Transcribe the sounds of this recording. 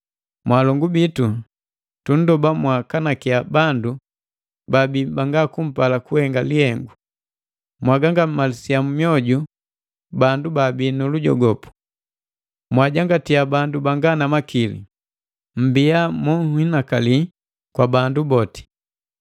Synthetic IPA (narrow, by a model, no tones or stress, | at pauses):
mwalɔŋɡubitu | tun̩dɔbamwakanakijabandu | babibaŋɡakum̩palakuhɛŋɡalihɛŋɡu | mwaɡaŋɡam̩malisijamumiɔɟu | bandubabinuluɟɔ̰ɡɔpu̥ | mwaɟaŋɡatijabandubaŋɡanamakilḭ | m̩biamɔhinakali | kwabandubɔti̥